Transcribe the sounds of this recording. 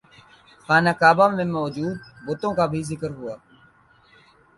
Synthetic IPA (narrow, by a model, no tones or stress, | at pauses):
xaːnaːkaːbaːmẽːmɔːd͡ʒuːd̪̚bʊt̪õːkabʱiːzɪkəɾɦʊaː